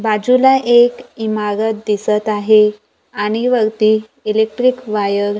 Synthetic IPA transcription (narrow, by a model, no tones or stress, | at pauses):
bad͡ʑulaʔekimaɾət̪̚d̪isət̪aɦe | aɽ̃iʋəɾt̪iː | ilek̚ʈɾikʋajəɾ